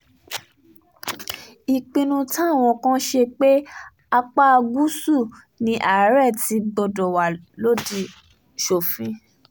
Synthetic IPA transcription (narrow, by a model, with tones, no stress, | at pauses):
i˨k͡pĩ˧nũ˧tã˦˨w̃ɔ̃˧kã˦ʃe˧k͡pe˦ | a˧k͡pa˦a˧ɡu˦su˦˨ | nĩ˧ʔa˨˦ɾɛ˦˨ti˧ɡ͡bɔ˧dɔ˨wa˨lo˦di˧˨ | ʃo˨fĩ˨˧